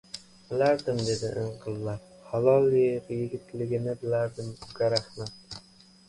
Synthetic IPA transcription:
b̥ɪlaɾd̪ɪmd̪e̞d̪ɪʔɪɴqʰɨlˠːa | halˠɒlˠjɪqjɪɡʲɪt̪lɪɡʲɪnɪbɪlaɾd̪ɪmʊɡʲaɾahmat̪̚

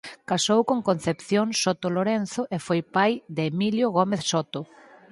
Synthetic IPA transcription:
kasowkoŋkon̟θepθjoŋsot̪oloɾenθʊʔefojpajd̪eːmiljoɣomeθsot̪o

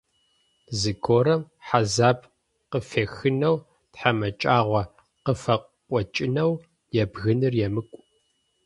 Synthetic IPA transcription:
zɨɡʰoːɾɐm | ħazaːpʰ | qəfeːxɨnɐw | tħamɐt͡ʃʼaːʁʷɐ | qəfɐqʷʼɔt͡ʃʼɪnɐw | jɛbɣɨnɨrjɛmɨkʷʼ

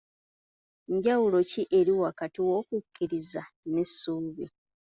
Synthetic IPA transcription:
ɲɟawulo̞ciʔe̞ɾiwakatiwo̞kukʰːiɾizanesːuːβi

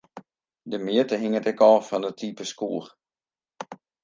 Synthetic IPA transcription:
dəmɪətəɦɪŋətɛkɔːfɔndətʰiːpəskuːr

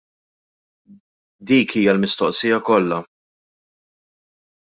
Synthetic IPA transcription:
d̪iːkʰiːjɐlmɪst̪ɔʔsijɐkɔlːɐ

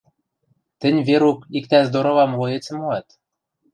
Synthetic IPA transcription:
t̪ɘ̆nʲβeɾukikt̪æzd̪oɾŏβɑmlojĕt͡sɘ̆moɑt̪

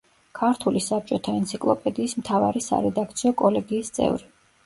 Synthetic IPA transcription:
kʰaɾt̪ʰulisap̚t͡ʃʼɔt̪ʰaɛnt̪sʰikʼlˠɔpʼɛd̪iːsmt̪ʰava̰ɾisa̰ɾɛd̪ak̚ʰt̪sʰiɔkʼɔlɛɡiːst̪sʼɛ̰vɾi

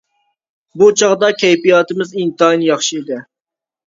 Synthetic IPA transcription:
but͡ʃʰɑʁd̪ɑkʲʰɛjpijɑːt̪ɪmɪzint̪ɨɑjnɨjɑχʃiid̪ɪ

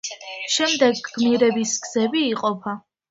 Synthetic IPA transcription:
ʃɛmd̪ɛɡːmiɾɛbisɡz̥ɛbiːqʼɔpʰa

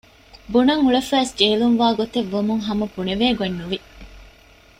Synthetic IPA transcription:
bunɐŋuɭefæːsd͡ʒeːluŋʋaːɡot̪eʋːɐmuŋɦɐmɐpuneʋeːɡenːuʋi

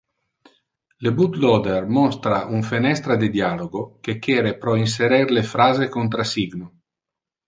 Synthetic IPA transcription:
lebut̪lɔd̪ermɔst̪ɾaʔuɱfenɛst̪ɾad̪id̪jaːloɡokekːɛːɾepɾɔins̬eɾɛrlefɾaːzekont̪ɾasiɡno

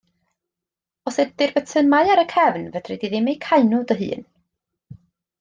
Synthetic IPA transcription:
ɔsɨd̚dɪrbətʰəmaɨaɾəkʰɛvnvədrɛdiðɪmejkʰaɨnʊdəɦɨ̰ːn

